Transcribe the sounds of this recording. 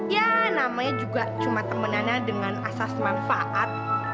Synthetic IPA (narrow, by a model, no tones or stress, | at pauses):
janamaɲad͡ʒuɡat͡ʃumat̪əmənanadəŋanasasmanfaʔat̪̚